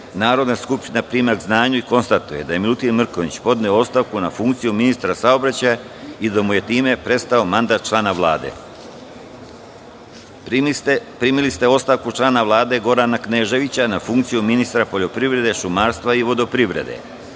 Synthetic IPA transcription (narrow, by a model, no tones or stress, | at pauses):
naːɾod̪naskupʃt̪inapɾiːmaɡznaːɲuiko̞nst̪at̪uje̞d̪aje̞milut̪inmr̩ko̞ʋit͡ɕpo̞d̪neoo̞st̪aʋkunafuŋkt̪sijuminist̪ɾasao̞bɾat͡ɕaja | id̪amuje̞t̪iːme̞pɾe̞st̪ao̞mand̪at̪̚t͡ʃlˠaːnaʋlˠaːd̪ḛ | pɾimilist̪e̞o̞st̪aʋkut͡ʃlˠaːnaʋlˠaːd̪e̞ɡo̞ɾanakneːʒe̞ʋit͡ɕanafuŋk̚t̪sijuminist̪ɾapo̞ʎo̞pɾiʋɾe̞d̪e̞ʃumaːɾst̪ʋaiʋo̞d̪o̞pɾiʋɾe̞̰d̪ḛ